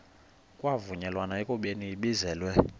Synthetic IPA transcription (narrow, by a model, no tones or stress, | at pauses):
kʼwavuɲɛlwanaɛkʼuɓeniːɓizɛːlwɛ